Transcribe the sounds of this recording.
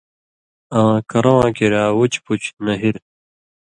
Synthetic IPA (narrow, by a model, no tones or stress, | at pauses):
ãːkɐɾãːkeɾaːwut͡ɕput͡ɕnɐɦiɾ